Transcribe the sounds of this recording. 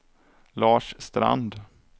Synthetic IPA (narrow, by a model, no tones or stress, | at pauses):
lɑːʂst̪ɾa̰nd̪